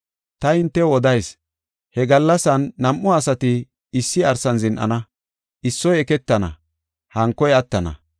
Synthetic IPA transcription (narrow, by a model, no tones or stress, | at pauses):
t̪ɐɪnt̪ːɛwɔd̪ɐjs | hɛɡɐlːɐsɐnːɐmʔɔɐsɐt̪ɪ | ɪsːɪɐɾsɐnzɪnʔɐ̰nɐ | ʔɪsːɔjɛkɛt̪ːɐnɐ̰ | hɐŋkːɔjɐt̪ːɐnɐ̰